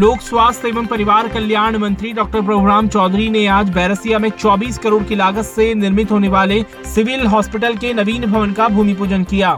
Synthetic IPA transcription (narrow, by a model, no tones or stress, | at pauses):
loːkswaːsseːʋəmpɐɾɪʋaːɾkɐljaːɾɳ̃mɐ̃nt̪ɾiɖɔːk̚ʈəɾpɾoːɡɾaːmt͡ʃɔːd̪ʱɾineaːd͡ʒbɛːɾəsijamẽt͡ʃɔːbiːskɐɾoːɽkilaːɡət̪senɪɾmɪt̪ɦoːneʋaːle | sɪʋɪlɦɔːspɪʈəlkenɐʋiːnbʱɐʋənkabʱuːmip̬uːd͡ʒənkijaː